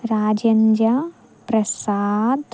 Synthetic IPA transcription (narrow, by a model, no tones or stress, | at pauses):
ɾaːd͡ʒɐɲd͡ʒa | pɾɐsaːd̪